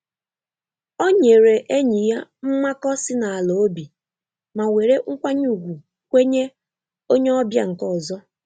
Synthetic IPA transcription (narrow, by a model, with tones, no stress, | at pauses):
o˦ɲe˨ɾe˨ʔe˦ɲi˨ja˦m̩˦ma˦kɔ˦sɪ˦na˨a˨lo˨o˦bi˨ | ma˨we˨ɾe˦ŋ̩˦kʷa˦ɲu˨ɡʷu˨ | kʷe˦ɲe˦ | o˦ɲe˦ɔ˦bja̰˨ŋ̩˨kɔ˦˨zɔ˦